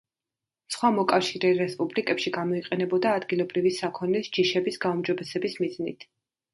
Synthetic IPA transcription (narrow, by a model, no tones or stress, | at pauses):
sχwamɔkʼafʃiɾɛɾɛspʼublikʼɛpʃiɡamɔiqʼɛnɛbɔd̪aːd̪ɡilˠɔbɾivisakʰɔnisd͡ʒiʃɛbisɡaumd͡ʒɔbɛsɛbismiznit̪ʰ